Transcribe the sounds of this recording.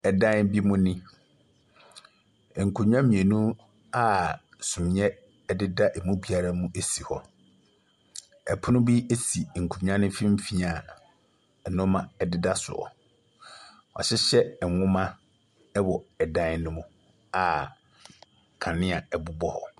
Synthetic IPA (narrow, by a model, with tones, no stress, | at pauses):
ɛ˨dã˦nbi˦mũ˦nĩ˦˨ | ŋ̩˨kʰu˨ɲᶣ˦ã˦mĩ˨e˨nũ˦ | a˦ | sũ˨m˨ɲɛ˦ | dɪ˦da˦ʔɛ˨mũ˦bi˨a˨ɾa˦mũ˦ʔe˦si˨hɔ˨ | ɛ̰˨pʰʊ˦nʊ̃˦bi˦e˦si˨ŋ̩˨kʰu˨ɲᶣ˦ã˦nʊ̃˦fĩ˦m̩˦fi˦a˨ | ɛ˨nʊ̃˦mã˦ɛ˦dɪ˦da˦sʊ̰˨ɔ̰˨ | ɔ̰˨ɕɪ˦ɕɛ˦ɛ˨wʊ̃˦mã˦ | ɛ˦wɔ˨ɛ˨dã˦nnːʊ̃˦mʊ̃˦ | a˨ | kʰã˨nɪ̃˦a˨ɛ˨bʊ˦bɔ˦hɔ˨